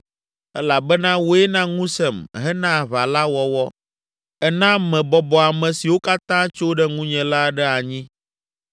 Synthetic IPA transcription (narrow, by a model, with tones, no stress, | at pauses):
ɛ˦la˨bɛ˦nã˦wo˦ɛ˦nã˦ŋũ˦sɛ˨mɦɛ˦nã˦˨βa˨la˦wɔ˨wɔ˦ | ɛ˦nã˦mɛ̃˨bɔ˨bɔ˨a˨mɛ̃˨si˨wo˦ka˦t̪ã˦t͡ʃo˦ɖɛ˦ŋũ˦ɲɛ̃˨la˦ɖɛ˦a˨ɲĩ˦